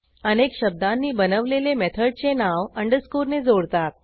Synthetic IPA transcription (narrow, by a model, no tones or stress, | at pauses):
ənekɕəb̚d̪anːiːbənəʋlelemɛt̪ʰəɖ̚t͡senaʋəɳɖəskuɾned͡zoɽt̪at̪̚